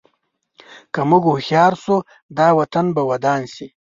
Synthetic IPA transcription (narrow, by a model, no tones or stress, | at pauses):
kɐmuɡuxjɑːɾsu | d̪ɑːwɐt̪ɐnbɐwɐd̪ɑːnsi